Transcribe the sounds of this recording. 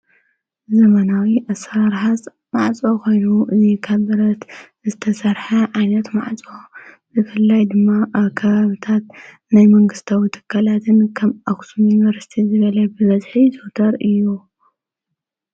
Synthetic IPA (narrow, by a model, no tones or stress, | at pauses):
zɐmɐnawiʔɐsɾaɾħazʼ | ma̰ʕt͡sʼokʰo̞jnuʔɨzikʰaβɨɾɐt̪ | zɨt̪ʰɐsɐɾħɐʕajnɐt̪ma̰ʕt͡sʼo | zɨfɨlːajd̪ɨmːaʔβkʰɐβaβit̪ʰat̪̚ | najmɐŋɡɨst̪ʰawit̪ʰɨ̥kʰːalat̪ʰɨnkʰɐmaksʰumunivɐɾsi̥t̪ʰizɨβɐlɐbɨβɐzħit̪ʰot̪ʰɐɾɨjːu